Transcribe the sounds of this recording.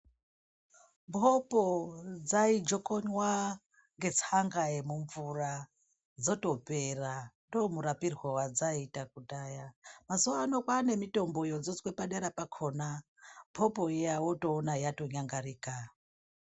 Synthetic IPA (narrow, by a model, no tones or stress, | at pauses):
mbʰʱopod͡zaid͡ʒokoɲwa | ŋɡe̞t͡saŋɡaemuɱvura | d͡zoto̞perandomuɾapirwawad͡zaitak̚utajamazuwaːnokwane̞mito̞mbo̞jod͡zod͡zwepaɗeɾapakʰona | mpʰopo̞ejawoto̞ːnajato̞ɲaŋɡaɾiːka